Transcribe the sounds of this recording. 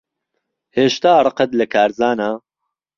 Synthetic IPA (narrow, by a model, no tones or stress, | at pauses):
heːʃt̪aːrˤɨqɐt̪lɐkʰaːɾzaːnaː